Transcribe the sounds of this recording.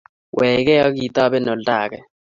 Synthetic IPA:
wʔɛ˨k̬ɛ˦a˦k̬i˨ta˦ɓɛ˦nɔ˨la̰ː˨kɛ˨

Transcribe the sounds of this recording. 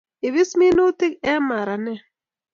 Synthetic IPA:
ɪ˨βɪ˦smi˦no˦tɪ˦k̚ɛ˦ma˨ɾa˨nɛ˦

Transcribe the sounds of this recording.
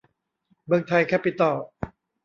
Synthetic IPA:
mɯ˧əŋt̪ʰa˧jkʰɛː˥˩pi˨˧˩t̪ɔː˧˩

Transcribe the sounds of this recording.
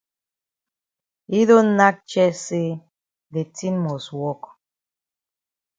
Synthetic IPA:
i˦do˦na˦k̚t͡ʃɛ˦se˦ | de˨ti˦nmo˨swɔ˦k

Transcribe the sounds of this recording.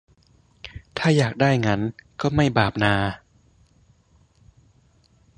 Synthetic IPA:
t̪ʰaː˥˩jaː˨˩k̚daː˥˩jŋa˦˥nkɔː˥˩ma˥˩jbaː˨˩p̚naː˧

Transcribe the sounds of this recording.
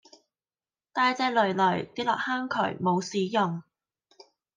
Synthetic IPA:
t̪aː˧jt͡sɛː˧lɵ˨ɥlɵ˨˩ɥt̪iː˥lɔ̰ː˨k̚haː˥ŋkʰɵ̰˨˩ɥmo˨˧wsiː˨˥jʊ˨ŋ

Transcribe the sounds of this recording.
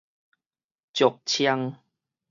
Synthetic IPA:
t͡ɕjɔ˨˩k̚t͡ɕʰja˧ŋ

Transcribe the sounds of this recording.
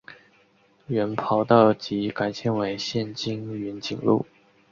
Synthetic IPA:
ɥɛ˧˥npʰɑ˧˥ʊt̪ɑ˥˩ʊt͡ɕi˧˥ka˨˧˩ɪt͡ɕʰjɛ˧˥nwe˧˥ɪɕjɛ˥˩nt͡ɕi˥ŋy˧˥nt͡ɕḭ˨˩ŋlṵ˥˩

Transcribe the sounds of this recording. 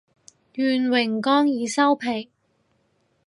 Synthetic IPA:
jyː˨nwɪ˨˩ŋkɔː˥ŋjiː˨˧sɐ˥wpʰe˨˩ŋ

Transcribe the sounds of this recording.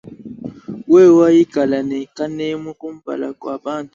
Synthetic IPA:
wɛ˦˨wa˦ji˦ɡ̥ʱa˨la˨nɛ˨ka˦nɛ˦mɔ˦kʼu˦m̩˦b̥a̰˨la̰˨kwa˨ɓa˦ntʼu˨

